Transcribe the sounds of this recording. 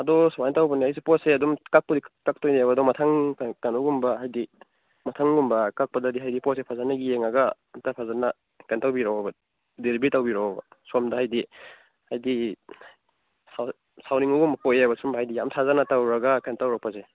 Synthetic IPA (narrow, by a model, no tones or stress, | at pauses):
ɐdɔswajntawbɐnihajsipɔseɐdumkak̚pɐdikak̚tojnajabadɔmɐtʰaŋkanɔɡumbɐɦajdi | mɐtʰaŋɡumbɐkak̚pɐdadiɦajdipɔsepʰazanɐɡijeŋaɡa | tapʰazana | kantawbiɾawaba | deɾibitawbiɾawbasomdaɦajdi | hajdi | sa | sawniŋuɡumbɐpoeabɐsumbɐɦajdijamtʰazanatawɾɐɡakantawɾak̚paze